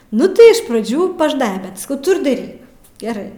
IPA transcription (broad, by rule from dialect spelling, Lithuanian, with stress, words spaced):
ˈnʊ tɐɪ ɪʃ prɐˈd͡ʒʲuː pɐˈʒnɐɪbʲɛ bʲɛt sɐˈkɐʊ ˈtʊ ɪr dɐˈrʲiːk ɡʲɛˈrɐɪ